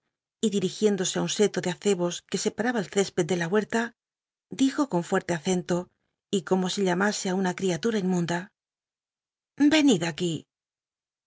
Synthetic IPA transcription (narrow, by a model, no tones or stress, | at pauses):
iðiɾixje̞nd̪o̞seaunse̞t̪oðeaθe̞βo̞ske̞se̞paɾaβaelθe̞spe̞t̪̚d̪e̞lawe̞ɾt̪a | d̪ixo̞ko̞ɱfwe̞ɾt̪e̞aθe̞nt̪o̞ | iko̞mo̞siʎamase̞aunakɾiat̪uɾaimũnd̪a | be̞niðaki